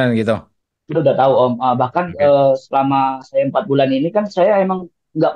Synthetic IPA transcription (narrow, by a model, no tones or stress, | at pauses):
nɡit̪u | audat̪auoməbahkanəsəlamasajaəmpat̪̚bulaninikansajaemaŋ | ŋɡaʔp